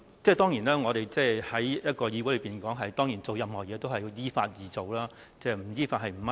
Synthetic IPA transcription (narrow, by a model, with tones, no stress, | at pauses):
t͡sɛː˥˧t̪ɔː˥ŋjiː˨˩naː˥ŋɔː˨˧ɾe˨jt͡sɛː˥˩hɐ˨˥jjɐ˥t̚kɔː˧jiː˧wu˨˥lə˨˧˥piː˨˩nkɔː˨˥ŋɦɐ˨jt̪ɔː˥ŋjiː˨˩nt͡so˨wjɐ˨mhɔː˨˩jɛː˨˧t̪o˥wɦɐ˨jjiː˥fa̰ː˧t̚jiː˨t͡so˨wlaː˥ | t͡sɛː˥˩m̩˨˩jiː˥faː˧t̚hɐ˨jm̩˨˩mɐ˥